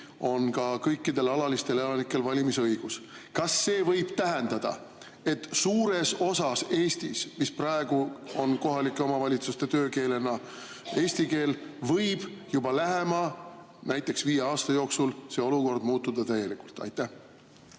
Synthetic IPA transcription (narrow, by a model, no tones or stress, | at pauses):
o̞nkɑkɤjkːˑid̪e̞lɑlɑlist̪e̞lelɑnikːˑe̞lvɑlʲimisɤjɡ̥us | kɑsːe̞ːvɤjb̥t̪æɦe̞nd̪̥ɑd̪̥ɑ̰ | e̞t̪ːsuːɾe̞so̞sɑse̞ːst̪ismisprɑe̞ɡ̥uo̞nko̞ɦɑlikːˑeo̞mɑvɑlʲit̪sust̪e̞t̪ø̞ːke̞ːle̞nɑ | e̞ːst̪ike̞ːlvɤjb̥jubɑlæɦe̞mɑ | næjt̪ˑːe̞ksviːjeɑːst̪ɑjo̞ːksulse̞o̞luko̞rd̪̥muːt̪ːˑud̪̥ɑt̪æje̞likult̪ɑ̰jt̪ːˑæ